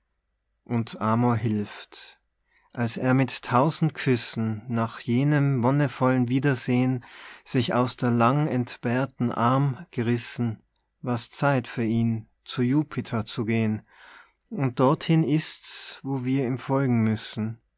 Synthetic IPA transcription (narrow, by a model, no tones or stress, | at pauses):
ʔʊntʔaːmoɦɪlft | ʔalseːɐmɪtʰːaʊzn̩t̚kʰʏsn̩ːaːχjeːnəmvɔnəfɔlənviːdɐzeːənz̥ɪça̰ʊsd̥eːɐlaŋɛntb̥ɛɐtn̩ʔaɐmɡ̥əʁɪsn̩ | vaɐst͡saɪtfyːɐiːn | t͡sujuːpʰɪtʰɐt͡suɡeːən | ʊnt̚d̥ɔɐthɪnɪstsvoːviːɐiːmfɔlɡŋ̩mʏsn̩